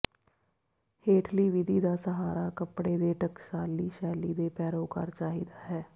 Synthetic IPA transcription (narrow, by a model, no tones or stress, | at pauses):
heːʈʰliːʋɪd̪iːd̪aːsəɦaːɾaːkəpɽeːd̪eːʈəkʃaːlːiːʃɛːliːd̪eːpɛːɾoːka̰ɾt͡ʃaːɦḭːd̪aːɦɛː